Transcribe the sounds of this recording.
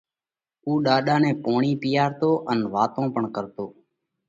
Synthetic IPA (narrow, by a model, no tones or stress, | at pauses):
uːɗaːɗaːnẽːpoːɳiːpɪjaːɾt̪oːʔənʋaːt̪õːpəɳkəɾt̪oː